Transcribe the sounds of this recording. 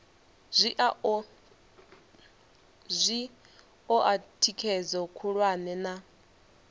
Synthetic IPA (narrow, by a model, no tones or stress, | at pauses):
zʷiʔ | zʷi | ɔʔatʰikʰɛd͡zɔkʰuɺwanɛna